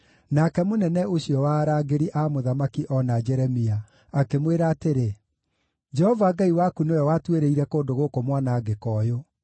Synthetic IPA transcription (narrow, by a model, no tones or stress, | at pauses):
nakɛmonɛnɛoɕiɔwaːɾaːɡeɾiʔamoðamakiʔɔnad͡ʒɛɾɛmia | akemweɾaːteɾe | d͡ʒɛhɔvaɡaiwakunojɔwatweɾeiɾɛkoːndoɣoːkomwanaːɡekɔːjo